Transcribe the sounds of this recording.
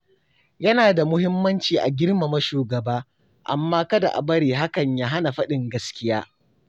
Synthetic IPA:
jɐ˦naː˨da˨mʊ˦hɪ˦mːɐ˦nt͡ʃiː˨ʔa˨ɡʲɪ˦ɾma˨mɐ˦ʃuː˨ɡɐ˨baː˦ | ʔa̰˨mːaː˦kɐ˦da̰˨ʔa̰˨bɐ˦ɽiː˨ɦa˦kɐ˨ɲjaː˦ɦa˦na˨ɸɐ˦ɗɪ˨ŋɡɐ˦skʲɪ˦jaː˦

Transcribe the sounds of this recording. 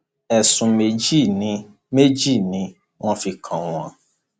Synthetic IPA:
ɛ˨sũ˨me˨d͡ʒi˦˨nĩ˨˦ | me˦d͡ʒi˦˨nĩ˧˦ | w̃ɔ̃˦fi˧kʰã˨wũ˨a̰˨

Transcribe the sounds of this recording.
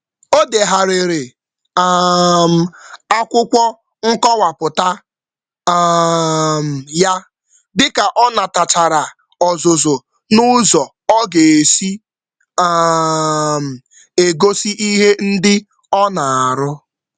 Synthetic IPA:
o˦de˨ɦa˨ɾe˨ɾe˨ | a˨˦m̩˨a˦kʷʊ˦kʷɔ˦ | ŋ̩˦kɔ˦wa˨pʊ˨ta˦ | a˦m̩˨ja˦ | dɪ˦ka˨ʔɔ˦na˨ta˨t͡ʃa˨ɾa˨ | ɔ˨zo˨zo˨ | nʊ˦zɔ˨ | ɔ˦ɡe˨e˨si˦ | a˦˨ | m̩˨ | e˨ɡo˦si˦ʔi˦ɦe˦n̩˦dɪ˦ | ɔ˦na˨a˨ɾʊ˦

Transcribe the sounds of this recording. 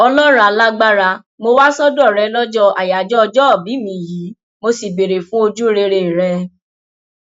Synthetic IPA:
ɔ˧lɔ˦ɾa˨la˦ɡ͡ba˦ɾa˧ | mo˧wa˦sɔ˦dɔ˦˨ɾɛ˧˦lɔ˦d͡ʒɔ˦a˨ja˨d͡ʒɔ˦ɔ˧d͡ʒɔ˦˨bi˨˦mĩ˧˦˨ji˨˦ | mo˧si˨be˨ɾe˨fũ˦o˧d͡ʒu˦ɾe˧ɾe˧˨ɾɛ˧

